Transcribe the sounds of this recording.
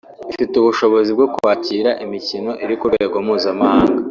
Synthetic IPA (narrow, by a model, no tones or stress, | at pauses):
ifituβuʃo̞βo̞zib̚ɡo̞kuhaciːɾaʔimicino̞ʔiɾikuɾeɡomuːzamahaːŋɡa